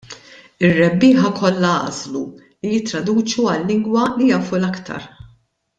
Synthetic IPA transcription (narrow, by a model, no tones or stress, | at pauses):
ɪrːɛbːiːħɐkʰɔlːɐɐ̰zlu | lijɪt̪ːɾɐd̪uːt͡ʃuɐlːɪŋɡwɐlijɐːfulɐkt̪ʰɐ̰ɾ